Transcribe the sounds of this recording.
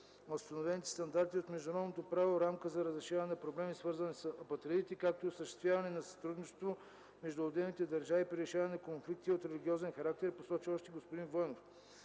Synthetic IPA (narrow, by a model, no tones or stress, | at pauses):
ost̪ɐnovɛnit̪ɛ̥st̪ɐnd̪aɾt̪iot̪mɛʒd̪ʊnɾɔd̪not̪opɾavoɾamkəzɐɾəzɾɛʃavɐnɛnpɾoblɛmisvɤɾzɐnɛsəɐpɐt̪ɾɛit̪ikak̚t̪oiːosəʃtɛst̪vʲjavɐnɛnɐsɐ̥t̪ɾud̪nit͡ʃɛst̪vo | mɛʒd̪ʊod̪ɛlnit̪ɛd̪ɐɾʒavipɾiɾɛʃavɐnɛkonflik̚t̪iot̪ɾɛliɡʲiɔzɛnxɐɾak̚t̪ɛɾposɔt͡ʃiɔʃt̪ɛɡospod̪invɤnof